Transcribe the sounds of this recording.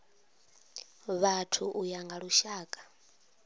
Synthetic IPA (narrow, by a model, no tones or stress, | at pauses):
βatʰuʔujaŋɡaɺuʃaːkʼḁ